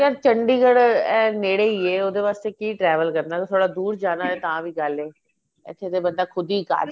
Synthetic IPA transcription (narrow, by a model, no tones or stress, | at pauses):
kaːɾt͡ʃəɳɖiːɡəɽɛːneːɽeːiːeːoːd̪eːʋaːst̪eːkiːʈɾɛːʋəlkəɾnãːkːt̪ʰoːɽaːd̪uːɾd͡ʒaːnaːeːt̪ãːʋiːɡəleː | ɪ̰t̪ʰːeːt̪eːbənd̪aːkʰʊd̪iːka̰ːɾ